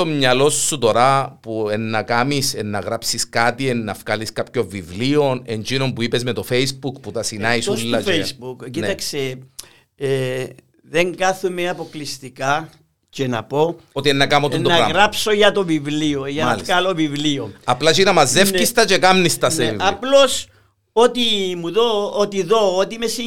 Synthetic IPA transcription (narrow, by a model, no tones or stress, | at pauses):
omɲɐlo̞sːut̪o̞ɾapuenːɐkamisenːɐɣɾapsiskat̪ienːɐfkaliskapço̞ɱvːivlio̞nend͡ʒino̞mpuipezmet̪o̞feisbukput̪ɐsinaisulːɐt͡ʃesbukcint̪ɐkse | ðeŋɡaθumeɐpo̞klist̪ika | cenɐpo̞ot̪ienːɐkamot̪innːɐɣɾapsoʝɐt̪ovivlioʝɐnɐliskɐlovivlioɐplɐt͡ʃinɐmɐzːefcist̪ɐt͡ʃekamnist̪ɐsneeḭvɐplo̞s | ot̪imuðoot̪iðo̞ːt̪imesi